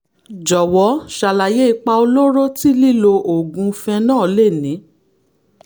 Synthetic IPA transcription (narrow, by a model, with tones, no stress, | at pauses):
d͡ʒɔ˨wɔ˨˦ʃa˨la˨je˦i˧˦k͡pa˧o˧lo˦ɾo˦ti˦li˦˨lo˧ʔo˨ɡũ˧˦fɛ̃˧nãː˦˨le˦˨nĩ˨˦